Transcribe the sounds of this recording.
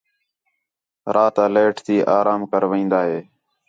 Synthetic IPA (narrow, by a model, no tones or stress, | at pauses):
ɾʔaːt̪aːleːʈʰt̪iːʔaːɾaːmkəɾʋĩːnd̪aːɦeː